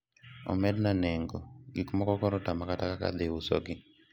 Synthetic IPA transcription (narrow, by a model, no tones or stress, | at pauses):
ɔ̰mɛdnanɛŋɡɔɡikmɔkɔɡɔɾɔtamakatakaka̰d̪eusɔ̰ɡɪ